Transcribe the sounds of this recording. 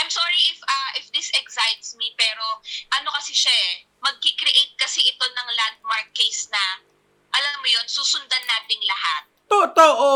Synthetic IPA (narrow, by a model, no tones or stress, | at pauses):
ʔajmsɔːɹiʔɪfʔɐʔɪfd̪ɪsɛksajt̪smipɛːɾo̞ʔɐno̞kɐsɪʃaʔɛ | mɐɡ̚kikɾiʔejt̪̚kɐsɛʔɪt̪o̞nɐŋlat̪̚maɹk̚kejsnɐ | ʔɐlamːojonsuːsʊnd̪ɐnːaːt̪ɪŋlɐhat̪̚t̪ot̪oʔo